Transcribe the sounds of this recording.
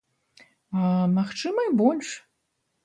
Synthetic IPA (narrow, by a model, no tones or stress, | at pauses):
amaxʈ͡ʂɨmɐjbolʲʂ